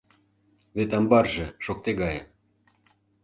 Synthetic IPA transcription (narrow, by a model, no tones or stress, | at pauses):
βet̪̬ɑmbɑrʒĕʃok̚t̪eɣɑjə̰